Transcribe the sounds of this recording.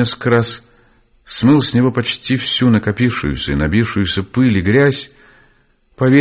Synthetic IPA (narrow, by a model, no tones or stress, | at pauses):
eskkəɾas | smɨlˠsʲnʲɪvo̞pɐt͡ɕtʲifsʲunəkɐpʲifʂɨ̰jʊ̰sʲə̰inɐbʲifʂɨjʊsʲəpɨlʲiɡɾʲæsʲ | pɐvʲe